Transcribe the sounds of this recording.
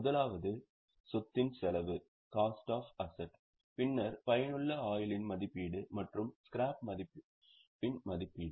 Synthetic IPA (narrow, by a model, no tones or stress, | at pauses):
mʊðɐlaːʋɐðɯ | sɔt̪ːɪnsɛlɐʋɯ | kaːsʈaːfɐsɐʈ | pɪnːɐɾpɐjɐnɯɭːɐaːjɪlɪnmɐðɪpːiːɽɯmɐʈrɯmskɪɾaːpmɐðɪpː | pːɪnmɐðɪpːiːɽɯ